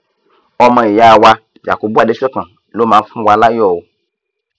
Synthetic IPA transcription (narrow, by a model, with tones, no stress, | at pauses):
ɔ˦mɛ̃˨ja˨wa˦ | d͡ʒa̰˨ko˨bu˦a˨ɖe˦fɔ˦kã˨ | lo˦mã˨˦fũ˦wa˨la˦jɔ˦˨wo˨